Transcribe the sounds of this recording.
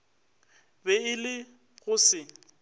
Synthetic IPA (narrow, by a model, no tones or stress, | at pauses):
bɛɪlɪ | ɣʊsɪ